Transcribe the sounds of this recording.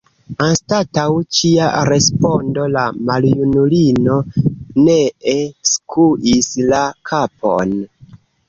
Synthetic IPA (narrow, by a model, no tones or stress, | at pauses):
anstatawt͡ʃiaɾe̞spo̞ndo̞lamaljunulino̞neeskʰuʔislakʰapʰo̞̰n